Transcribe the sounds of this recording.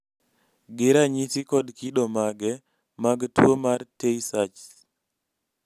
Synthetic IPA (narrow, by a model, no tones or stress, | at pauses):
ɡɪɾaɲisikɔdkiɗɔmaɡɛ | maɡtwomarteisat͡ʃ